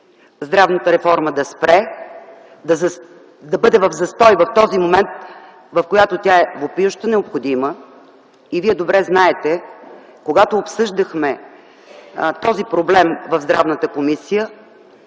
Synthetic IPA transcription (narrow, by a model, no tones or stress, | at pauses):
zd̪ɾavnət̪əɾɛfɔɾməd̪ɐspɾɛ | d̪ɐz | d̪ɐbɤd̪ɛvɐvzɐst̪ɔjvɐft̪ɔzimomɛnt̪̚ | vɐfkojat̪ot̪ʲjaɛvopjuʃt̪ənɛopxod̪imə | iviɛd̪obɾɛznaɛt̪ɛ | koɡat̪oːpsɤʒd̪əxmɛ | t̪ɔzipɾoblɛmvɐvzd̪ɾa̰vnət̪əkomisijə